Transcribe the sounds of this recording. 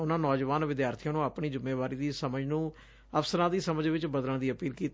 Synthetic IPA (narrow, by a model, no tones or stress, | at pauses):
ʊnãːnɔːd͡ʒʋaːnʋɪd̪jaːɾt̪ʰijãːnũːaːpɳiːzɪmːeːʋaːɾiːd̪iːsəməd͡ʒnũː | əfsəɾãːd̪iːsəməd͡ʒʋɪt͡ʃbəd̪ələɳd̪iːəpiːlkiːt̪